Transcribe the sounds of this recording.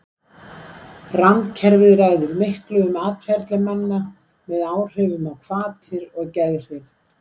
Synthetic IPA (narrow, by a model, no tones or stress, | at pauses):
rant̪cʰɛɾvɪðɾaɣðʏɾmɪhklʏʏmaːt̪fjɛɾ̥t̪lɪmɛnːa | mɛðaːwr̥œːvʏmawkʰv̥aːt̪ʰɪɾɔɣcɛðr̥ɪɾ